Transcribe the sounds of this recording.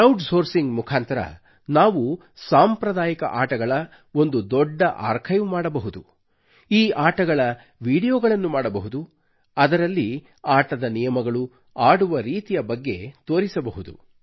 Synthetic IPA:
ɐwʈso̞ːɾsiŋɡmukʰaːnt̪ɐɾɐ̰ | naːʋu | saːmpɾɐd̪aːjikɐ̰ʔaːʈɐɡɐɭɐ | o̞nd̪ud̪ɔɖːɐʔa̰ːɾkʰɐjumaːɽɐbɐɦud̪u | iːʔaːʈɐɡɐɭɐ | ʋiːɽijɔːɡɐɭɐnːumaːɽɐbɐɦud̪u | ɐd̪ɐɾɐlːi | aːʈɐd̪ɐnijɐmɐɡɐɭu | aːɽuʋɐɾiːt̪ijɐbɐɡːe̞̰t̪o̞ːɾisɐbɐɦud̪ṵ

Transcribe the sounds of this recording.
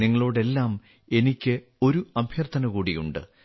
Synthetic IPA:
niŋːɐɭoːɽe̞lːaːm | e̞nikʲːɨ | o̞ɾuɐbʱjɐrt̪ʰːɐnɐkuːɽijṵɳɖɨ̰

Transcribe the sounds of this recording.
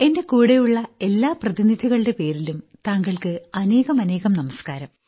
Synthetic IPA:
e̞nde̞kuːɽejuɭːɐe̞lːaːprɐðinid̪ʱiɣɐɭɨɽe̞pe̞ːɾilumt̪aːŋɡɐɭkɨɐne̞ːɣɐmɐne̞ːɣɐmnɐmɐskaːɾɐm

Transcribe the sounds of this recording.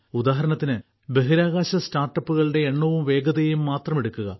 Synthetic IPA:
ud̪aːɦɐɾɐnɐt̪ːinɨ | be̞ɦiɾaːɣaːɕɐstaːrʈːɐpːuɣɐɭɨɽe̞ːɳːuʋumʋe̞ːɡɐðɐjumːaːt̪rɐmeɽukːuɣɐ

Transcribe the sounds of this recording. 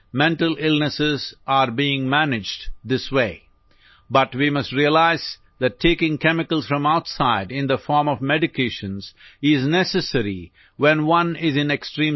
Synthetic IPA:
mɛ̃nʈəlɪlnəsɪzʔaɾbiɪ̃ŋmænɪd͡ʒɖd̪ɪsweɪː | bʌʈwimʌstɾiəlaɪz | ðæʈʰːeːkɪ̃ŋkɛmɪkəlz̥fɾʌ̃maʊtsaɪɖɪ̃nd̪əfɔːɾmɔvmɛɖɪkʰeːʃə̃nz̥ɪznɛsɨsəɾḭ | wɛ̃nwʌ̃nɪzɪ̃neksʈɾĩm

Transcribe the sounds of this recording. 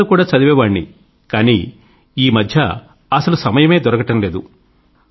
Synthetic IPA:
ukuːɽaːt͡ʃɐd̪iʋɛːʋaːɳːḭ | kaːnḭ | iːmɐd̪ʱjɐ | ɐsɐlusɐmɐjɐmeːd̪ɔɾɐkɐʈɐnle̞ːd̪u

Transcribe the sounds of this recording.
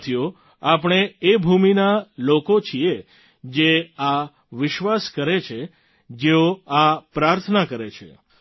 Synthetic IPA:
t̪ʰjo | apəɽ̃eebʱuminalokot͡ʃʰie | d͡ʒea | ʋɪʃʋaskəɾet͡ʃʰe | d͡ʒeoapɾaɾt̪ʰənakəɾet͡ʃʰḛ

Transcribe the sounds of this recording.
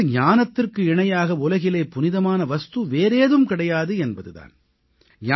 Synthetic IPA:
ɲaːnɐt̪ːɪrkɯɪɳɐjaːɣɐʊlɐɣɪlɐːpʊnɪðɐmaːnɐʋɐst̪ɯʋeːɾeːðɯmkɪɽɐjaːðɯɛnbɐðɯða̰ːn | ɲa

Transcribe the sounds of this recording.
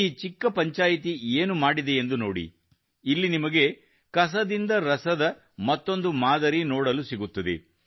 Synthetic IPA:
iːt͡ʃikːɐpɐɲt͡ʃaːjit̪ieːnumaːɽid̪e̞end̪uno̞ːɽḭː | lːinimɐɡe̞ | kɐs̬ɐd̪ind̪ɐɾɐsɐd̪ɐ | mɐt̪ːo̞nd̪umaːd̪ɐɾinoːɽɐlusiɡut̪ːɐd̪ḛ

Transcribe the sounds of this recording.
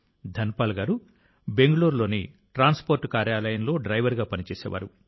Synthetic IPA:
d̪ʱɐnpaːlɡaːɾu | be̞ŋɡɐɭuːɾlo̞ːni | ʈɾaːnspoːɾʈkaːɾjaːlɐjɐnlo̞ːɖɾɐjʋɐɾɡaːpɐnit͡ʃɛːsɛ̰ːʋʔa̰ːɾu

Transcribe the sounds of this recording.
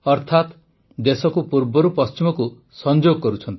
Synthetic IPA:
ɔɾt̪ʰat̪ | d̪esɔkupuɾbɔɾupɔst͡ʃimɔku | sɔnd͡ʒoɡɔkɔɾut͡ʃʰɔnt̪i̥

